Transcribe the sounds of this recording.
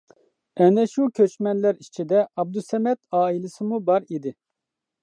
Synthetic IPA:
ɛnɛʃukʲʰøt͡ʃmɛnlæɾit͡ʃʰid̪ɛʔɑb̚d̪usɛmɛt̪ɑːilˠɪsɨmubɑɾid̪ɪ

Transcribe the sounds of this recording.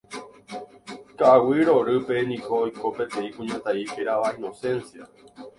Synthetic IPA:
kaʔːwiɾo̞ɾɨpe̞nĩkoːjko̞pe̞t̪ẽ̞ĩkũɲãt̪aihe̞ɾaʋaĩnõ̞sẽ̞nsia

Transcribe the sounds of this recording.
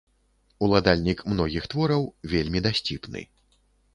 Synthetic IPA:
ulˠad̪alʲnʲikmnɔɣʲixt̪vɔɾɐwvʲelʲmʲid̪asʲt͡sʲipnɨ̰

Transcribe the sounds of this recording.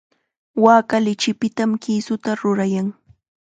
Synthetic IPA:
waːkalɪt͡ʃɪpɪt̪amkiːsʊt̪aɾʊɾajaŋ

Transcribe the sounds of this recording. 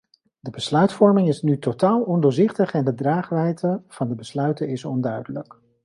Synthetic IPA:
dəbəslœɥtfɔɹmɪŋɪsnytotaːlˠɔndʊːɹzɪχtəχɛndədraːχʋɛjtəv̥ɑndəbəslœɥtənɪsɔ̰ndœɥdələk

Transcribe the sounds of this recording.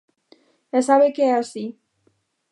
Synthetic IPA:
esaβekeasi

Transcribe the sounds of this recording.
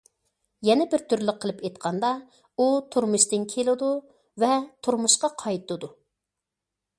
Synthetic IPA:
jɛnɛbɪɾt̪ʰyɾlɪqʰːəlˠɨpejt̪̚qʰɑnd̪ɑ | ut̪ʰuɾmuʃt̪ɨnkʲʰelˠɨd̪u | vɛt̪ʰuɾmuʃqɑqʰɑjt̪ɨd̪u

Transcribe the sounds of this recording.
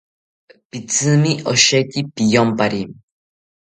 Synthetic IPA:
pit͡sɨmiʔɔʃɛcipijɔmpaɾim

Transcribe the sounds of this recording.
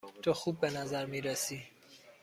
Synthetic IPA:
t̪ʰoxuːbːenazaɾmiːɾesiː

